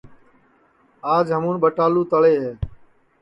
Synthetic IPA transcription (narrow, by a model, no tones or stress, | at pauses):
aːd͡ʒɦəmũːnɓəʈaːluːt̪əɭeːɦɛː